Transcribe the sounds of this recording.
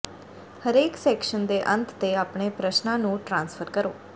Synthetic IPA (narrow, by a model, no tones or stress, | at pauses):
həɾeksekʃənd̪eʔə̃nt̪t̪eapɳ̃epɾəʃnanũʈɾãnsfəɾkəɾo